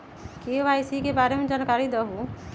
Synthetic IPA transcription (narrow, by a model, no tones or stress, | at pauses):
keːʋaːjsikebaːɾemẽd͡ʒaːnkaːɾid̪əɦu